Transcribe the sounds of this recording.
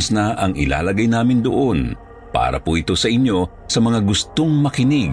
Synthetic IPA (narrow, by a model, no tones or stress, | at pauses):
snɐʔɐŋʔɪ̰la̰ːlɐɡajnaːmɪnd̪o̰ʔo̞n | pa̰ːɾɐ̰poʔɪt̪o̞sɐʔɪnjo̞ | sɐmɐŋaɡʊst̪oŋmɐkɪnɪɡ